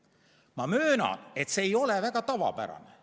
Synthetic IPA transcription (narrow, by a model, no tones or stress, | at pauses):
mɑmøːnɑ̰ne̞t̪seːjo̞levæɡ̥ɑt̪ɑvɑ̰bæ̰ɾɑ̰ne